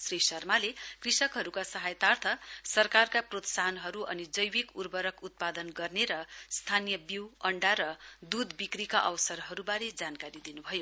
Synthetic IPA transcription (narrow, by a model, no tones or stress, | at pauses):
srisʌrmalekrisʌkɦʌɾukasʌɦajt̪art̪ʰʌsʌrkarkaprot̪saɦʌnɦʌɾuʔʌnid͡zʌjwikurbʌɾʌkut̪̚pad̪ʌnɡʌrneɾʌst̪ʰanijʌbiwʌɳɖaɾʌd̪ud̪bikrikaʔʌwsʌrɦʌɾubaɾed͡zankaɾid̪inubʱʌjo